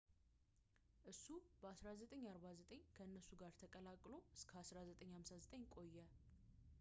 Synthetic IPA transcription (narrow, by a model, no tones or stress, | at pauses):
ʔɨsːub̥əasɾazət̪ʼəɲːaɾβazət̪ʼəɲːkʰəɨnːəsːuɡaɾt̪ʰəkʼəlakʼːlo̞ɨskʰəasɾazət̪ʼəɲhamsazət̪ʼəɲkʼo̞jːɛ